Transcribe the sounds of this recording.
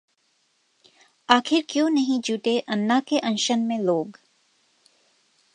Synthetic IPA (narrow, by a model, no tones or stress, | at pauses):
aːxʰɪɾkjõːnɐɦĩd͡ʒuːʈeʔɐnːakeʔɐ̃nʃənmẽloːɡ